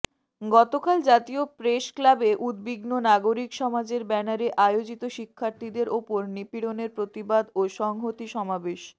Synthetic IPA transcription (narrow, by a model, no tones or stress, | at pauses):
ɡɔt̪okald͡ʑat̪iopɾeʃklabeʔud̪biɡnonaɡoɾikʃɔmad͡ʑeɾbɛnaɾeʔajod͡ʑit̪oʃikʰːaɾt̪ʰid̪eɾʔopoɾnipiɽoneɾpɾot̪ibad̪oʃɔŋɦot̪iʃɔmabeʃ